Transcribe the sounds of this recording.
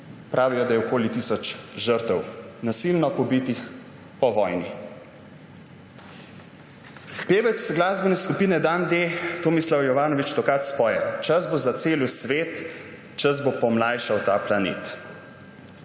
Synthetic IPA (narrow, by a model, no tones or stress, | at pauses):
pɾʔaːʋijɔd̪ajɛɔkoːlit̪isɔt͡ʃʒəɾt̪əwnasilnɔpɔbit̪ix | pɔʋɔjni | peːʋɛt̪sɡlaːzbɔnɛskupiːnɛd̪and̪eːt̪oːmislawjɔʋaːnɔʋit͡ʃd̪ɔkaːt̪spɔːjɛ̰t͡ʃəzbozat̪seːljusʋeːt̪ | t͡ʃəzbopɔmlaːjʃawt̪aplanḛːt̪